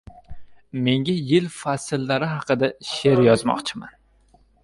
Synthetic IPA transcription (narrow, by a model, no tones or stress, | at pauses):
me̞ŋɡʲajɪlfasɪlːaɾɪɦɑqɨd̪aʃe̞ɾjɒzmɒ̰qt͡ʃʰɪma̰n